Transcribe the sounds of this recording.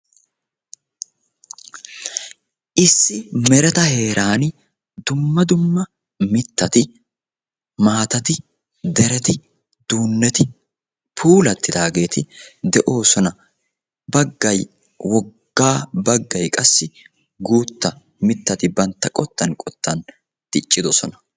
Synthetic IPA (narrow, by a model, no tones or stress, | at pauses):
ʔɪsːɪmɛɾɛt̪ɐhe̞ːɾʔaːn | d̪ʊmːɐd̪ʊmːɐ | mɪt̪ːɐt̪ɪ | maːt̪ɐt̪ɪ | d̪ɛɾɛt̪ɪ | d̪̥uːnːɛt̪ɪ | pʰuːlɐt̪ːɪd̪aːɡe̞ːt̪ɪd̪ɛʔo̞ːsɔnɐ | bɐɡːɐj | wɔɡːaːbɐɡːɐjkʼɐsːɪ | ɡuːt̪ːɐ | mɪt̪ːɐt̪ɪbɐnt̪ːɐkʼɔt̪ːɐnkʼɔt̪ːɐn | t̪ɪt͡ʃʼːɪd̪ɔsɔnɐ